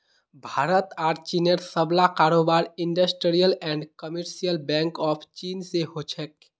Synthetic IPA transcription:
bʱaɾət̪aːɾt͡ʃineɾsəblakaɾobaɾiɳɖəsʈɾijəlɛ̃ɳɖkəmeɾsijəlbɛ̃ŋkɔpʰt͡ʃinseɦot͡ʃʰɛk̚

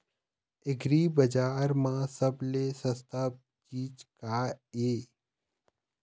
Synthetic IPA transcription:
ɪɡɾiːbəd͡ʒaːɾmãːsəblesə̃st̪ʰap̚ | t͡ʃiːt͡ʃkaːeː

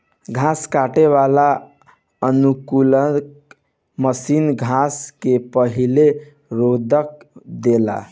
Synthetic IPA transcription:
ɡʱãskaʈeβala | ənukulənk | məsinɡʱãskepəɦile | ɾod̪ʱəkd̪ela̰

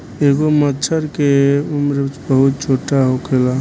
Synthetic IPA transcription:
eɡomət̪ːt͡ʃʰəɾkeumɾet͡ʃbəɦut̪̚t͡ʃʰoʈaɦokʰela

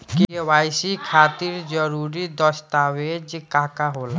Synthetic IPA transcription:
kiewajsikʰaːt̪iɾd͡ʒəɾuɾid̪əst̪awed͡ʒkaɦkaɦola

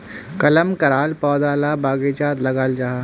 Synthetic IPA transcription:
kɐləmkɐɾaːlpɔːd̪aːlabaːɡet͡ʃaːt̪lɐɡaːld͡ʒaɦa

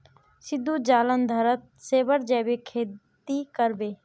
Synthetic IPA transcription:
sɪd̪ʱːud͡ʒaːlənd̪ʱəɾət̪̚seːbəɾd͡ʒɛːbekʰeːt̪ikəɾbeː

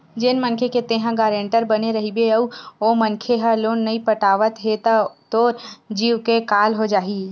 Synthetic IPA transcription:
d͡ʒɪnmɐnkʰeket̪eːɦãɡaːɾẽːɳʈəɾbɐneɾɐɦibeɐuomɐnkʰeɦaloːnːɐipɐʈaːʋət̪ɦet̪at̪oːɾd͡ʒiːʋkekaːlɦod͡ʒaːɦi

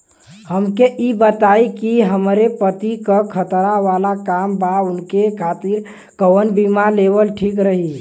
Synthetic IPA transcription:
həmkeʔibət̪aikiɦəmɾepət̪ikəkʰət̪ɾaʋalakambaunkekʰat̪iɾ | kəwənbimalebəlʈʰikɾəɦi

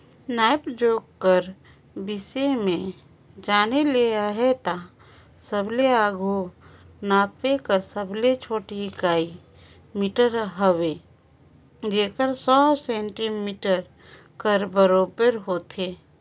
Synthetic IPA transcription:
naːɪpd͡ʒoːɡkəɾ | bɪsemẽ | d͡ʒaːnelieaɦɛt̪a | səbleaːɡʱu | naːpekəɾsəblet͡ʃʰoːʈikaːi | miːʈəɾɦəwe | d͡ʒeːkəɾsɔːsɛ̃ːɳʈimiːʈəɾ | kəɾbəɾoːbəɾɦoːt̪ʰeː

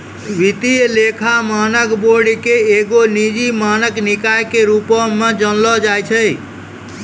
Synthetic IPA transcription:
ʋit̪ijlekʰamanəkboɽikeeɡonid͡ʒimanəknikajkeɾupɔmed͡ʒənlɔd͡ʒajt͡ʃʰəj

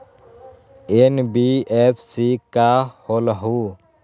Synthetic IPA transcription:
enbiːeːpʰsikahoːləɦu

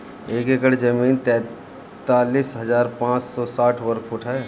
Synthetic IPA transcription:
eːkekəɽd͡ʒəmiːnt̪ɛ̃ː | t̪aːliːsɦɐzaːɾpãːt͡ʃsɔsaːʈʰʋəɾkʰʊʈʰaːe

